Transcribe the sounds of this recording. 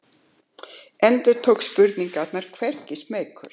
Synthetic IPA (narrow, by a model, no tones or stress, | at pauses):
ɛnt̪ʏɾ̥t̪ʰowkspʏɾt̪niŋkat̪naɾ̥kʰvɛr̥cɪsmeːjkʰʏɾ̥